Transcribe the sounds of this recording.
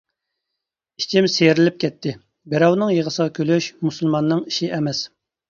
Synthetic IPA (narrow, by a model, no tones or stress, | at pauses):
i̥t͡ʃʰimseɾɪlɪp̚kʲʰɛt̪ʰːɪ | bɛɾɛwnɨŋjəʁəsəʁɑkʲʰøløʃmusɨlˠmɑnːɨŋiʃiʔɛmɛs